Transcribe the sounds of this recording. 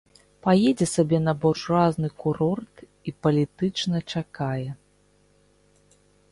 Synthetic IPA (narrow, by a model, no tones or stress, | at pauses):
pajɛd͡zʲɛsabʲɛnɐbɔʂraznɨkuɾɔrt̪ | ipɐlʲit̪ɨt͡ʂnɐt͡ʂakajɛ